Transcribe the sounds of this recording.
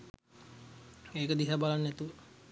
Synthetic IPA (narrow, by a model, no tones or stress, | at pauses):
eːkəd̪iɦabalanːɛt̪uʋə